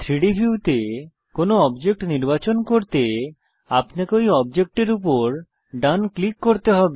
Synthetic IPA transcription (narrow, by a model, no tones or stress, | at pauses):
t̪ʰɾiɖibʱiuʈe | konoɔbd͡ʑek̚ʈniɾbat͡ɕonkoɾt̪e | apnakojɔb̚d͡ʑek̚ʈeɾupoɾ | ɖanklikːoɾt̪eɦɔbe